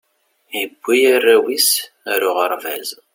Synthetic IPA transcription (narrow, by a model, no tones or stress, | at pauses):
jəbʷːijærːæwis | æɾʊʁəɾˤvæ̰z